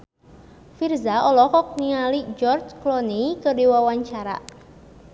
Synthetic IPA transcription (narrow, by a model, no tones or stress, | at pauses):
firzaɔlɔkɔk̚niŋalid͡ʒɔrt͡ʃklɔnikərdiwawaɲt͡ʃaɾa̰